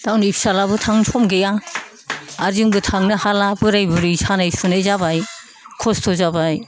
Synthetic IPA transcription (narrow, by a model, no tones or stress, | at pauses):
d̥awnipsalabɯtʰaŋsʰɔmɡejaː | ɾziŋbɯtʰaŋnɯhalabɯɾajbɯɾisanajsunajzabaj | kʰɔstʰɔzabaj